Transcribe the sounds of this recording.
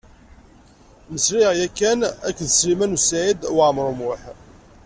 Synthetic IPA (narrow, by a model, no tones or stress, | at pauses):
məsɾiʁjækːænækːðəsɾimænusʕid̪wʕmɾˤumwʊħ